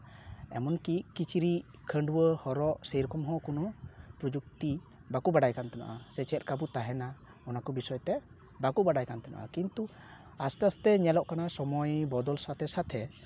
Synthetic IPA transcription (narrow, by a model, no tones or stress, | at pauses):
ɛ̰mɔnkiʔkit͡ʃʰiɾi | kʰəɳɖwəhɔɾɔʔsəjɾɔkɔmɦɔ̃kunɔpɾɔd͡ʒuk̚t̪i | bakubaɖajkant̪ɛna̰ʔasɛt͡ʃɛt̪̚ˀkabut̪aɦɛna | ɔnakɔbisɔjt̪ɛ | bakubaɖajkant̪ɛna̰ʔa̰kint̪u | asʈast̪ɛɲɛlɔʔkanasɔmɔjbɔd̪ɔlsat̪ʰɛsat̪ʰɛ